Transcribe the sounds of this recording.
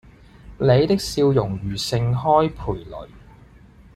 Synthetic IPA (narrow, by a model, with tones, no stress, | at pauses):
le˨˧jt̪ɪ˥k̚siː˧wjʊ˨˩ŋɥyː˨˩sɪ˧ŋɦɔː˥jpʰuː˨˩jlɵ̰˨˩ɥ